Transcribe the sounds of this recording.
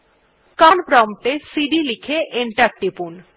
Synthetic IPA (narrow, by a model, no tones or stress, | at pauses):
kanpɾɔmʈesiɖilikʰeʔeɳʈaɾ̚ʈːipun